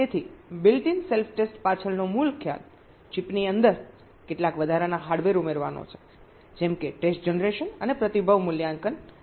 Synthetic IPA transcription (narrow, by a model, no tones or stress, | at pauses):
t̪et̪ʰibɪlʈinselfʰʈesʈpat͡ʃʰəɭnomulkʰja̰l | t͡ʃipniənd̪əɾ | keʈlakʋəd̪ʱaɾanaɦaɽʋeɾumeɾʋano̰t͡ʃʰe̥ | d͡ʒɛmkeʈesʈ̚d͡ʒənɾeʃənənepɾət̪ibʱəʋmuljãŋkən